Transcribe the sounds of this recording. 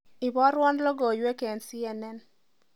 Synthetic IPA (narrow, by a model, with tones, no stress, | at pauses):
i˨bɔ˦ɾwɔ˦ndlo˦ɡo˨jwe˦ke˨nsi˦ɛ˨nɛ˦n